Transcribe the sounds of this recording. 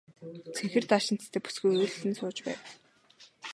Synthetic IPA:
t͡sʰeŋxɘ̆rt̪aʃɪ̆n̥t̪t̪ʰeːpu̥sɡujoːɮsɘ̆nsʊːt͡ɕpæ̰ːw

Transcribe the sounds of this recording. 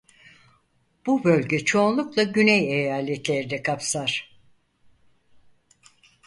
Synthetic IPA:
b̥ubø̞lʲɟɛt͡ʃʰo̞ːnlˠuklˠaɟynɛjejaːlʲɛt̪lʲeɾid̪ɛkʰapsaɾ̥

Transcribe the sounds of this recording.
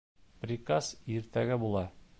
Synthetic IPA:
pɾʲɪkasiɾt̪æɡɘbulˠɑ

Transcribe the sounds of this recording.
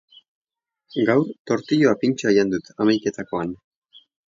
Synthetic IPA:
ɡawɾt̪o̞ɾt̪iʎo̞apint͡ʃoajand̪ut̪amajke̞t̪ako̞an

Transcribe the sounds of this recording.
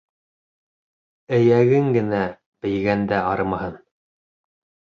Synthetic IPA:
ɘ̆jæɡɘŋɡɘ̆næ | bɘ̆j̪ɡænd̪æɑɾmɑhɤn

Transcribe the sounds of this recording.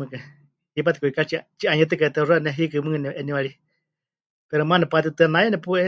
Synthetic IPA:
ɨkɨ | hip̬at̪i̥kuikat͡ʃit͡ʃiaɲɛt̪ɨkaɛt̪ɛranɛɦikɨmɨkɨnɛʔɛniwaɺi | pɛɾɛmanɛpat̪̬it̪ɨanajɛnɛpuɛ

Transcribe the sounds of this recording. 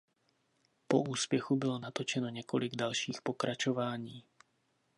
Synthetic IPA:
poʔuːspjɛxubɪlonat̪ot͡ʃɛno̞ɲɛkolɪɡdalʃiːxpokɾʔat͡ʃo̞vaːɲiː

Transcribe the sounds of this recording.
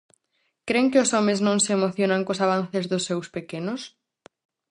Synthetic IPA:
kɾeŋkɪʊsɔmɪznõŋseemoθjonaŋkosaβanθɪzðʊsːewspekenʊs

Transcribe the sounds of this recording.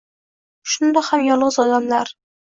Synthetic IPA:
ʃʊnd̪ahamjɒɾlˠʁɨzɒd̪amlaɾ

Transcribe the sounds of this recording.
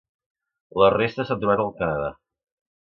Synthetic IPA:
lərest̪əsat̪ɾuβat̪əlˠkənəða

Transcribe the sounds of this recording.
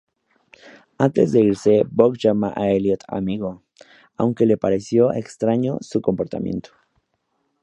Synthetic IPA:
ant̪e̞zðe̞iɾse̞bokʝamaʔaeljot̪a̰miɣo | awŋke̞le̞paɾe̞sjo̞ʔekst̪ɾaɲo̞̰suko̞mpo̞ɾt̪a̰mjḛnt̪ʰo̥

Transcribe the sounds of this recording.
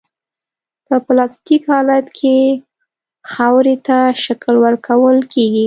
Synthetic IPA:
pəplɑst̪ikhɑlat̪kʰe | xawɾet̪aʃaklwəɾkʰawəlkeɡi

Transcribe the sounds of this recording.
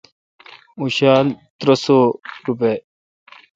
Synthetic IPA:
uɕaːlt̪ɾɐsoːɾupe

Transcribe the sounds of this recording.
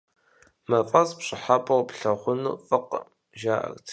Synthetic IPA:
mɐfʼɐzpɕʼɪħapʼɐrpɬɐχʷʊnṵːfʼɨq | ʒaːʔɐ̰ɣtʰ

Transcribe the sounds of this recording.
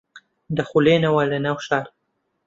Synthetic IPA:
d̪ɐxuleːnɐwɐlɐnaːwʃaːɾ

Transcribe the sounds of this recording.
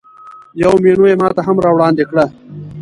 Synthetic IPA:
jɐwmeːɳojemɑːt̪aɦamɾɑːwɽɑːnd̪ekɽa

